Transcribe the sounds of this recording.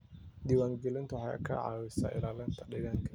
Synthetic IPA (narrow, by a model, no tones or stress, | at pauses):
d̪iːwaːŋɡɛlɪnt̪ʰʊwħaja̰kʰɐ̰ʕa̰ːwɪsa̰ːʔɪ̰laːlɛnt̪ʰɐɗɪɣaŋkʰɐ